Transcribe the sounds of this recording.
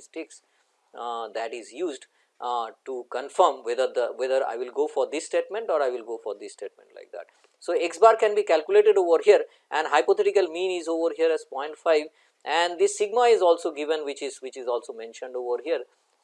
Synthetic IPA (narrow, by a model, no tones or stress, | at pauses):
sʈɪks | d̪æʈɪzjuːzɖ | ʈukə̃nfəɾmʋed̪əɾd̪əʋed̪əɾa̰ɪʋɪlɡoːfɔɾd̪ɪsːʈeːʈmẽɳʈɔːɾaɪʋɪlɡoːfɔːɾd̪ɪsːʈeːʈ̚mɛ̰̃ɳʈla̰ɪk̚d̪æ̰ʈ̚ | soːeksbaːɾkɛ̃nbiːkælkjʊleːʈeɖoːʋəɾɦiəɾ | ʔɛ̃ɳɖɦaɪpot̪ʰɛʈɪkəlmĩːnɪzoːʋəɾɦiəɾɛzpɔ̃ɪ̃ɳʈfaɪʋ | ʔɛ̃ɳɖd̪ɪsːɪɡmaɪzɔːlsoːɡɪʋə̃nʋɪt͡ʃɪzʋɪt͡ʃɪzɔːlsoːmẽnʃə̃ɳɖoːʋəɾɦiəɾ